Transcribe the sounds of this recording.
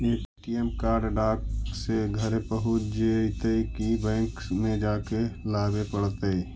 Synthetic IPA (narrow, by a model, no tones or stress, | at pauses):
eːpiʈiemkaːɾɖɖaːkseɡʱəɾepəɦʊd͡ʒeit̪əikibɛ̃ːŋkmẽd͡ʒaːkelaːbepəɽt̪əi